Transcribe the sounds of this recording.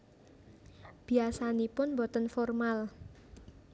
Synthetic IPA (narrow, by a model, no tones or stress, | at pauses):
b̥iasanipʊnmbɔt̪ənfɔrmal